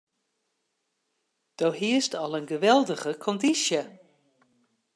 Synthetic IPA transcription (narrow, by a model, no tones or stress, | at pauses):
d̥owɦiəstɔlˠənɡəʋɛlˠdəɣəkʰɔndisjə